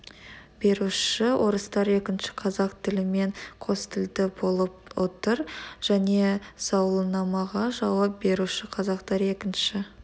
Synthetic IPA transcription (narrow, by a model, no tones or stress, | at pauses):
b̥e̞ɾuʃɪwʔo̞ɾəst̪ɑɾe̞kʲɪnʃɪ̥qʰɑzɑqt̪ʰɪlɪme̞ɴqʰo̞st̪ʰɪld̪ɪbo̞lˠəpwot̪əɾʒ̥æne̞sɑwlˠənɑmɑʁɑʒɑwɑp̚be̞ɾuʃɪqʰɑzɑqt̪ɑɾe̞kʲɪnʃɪ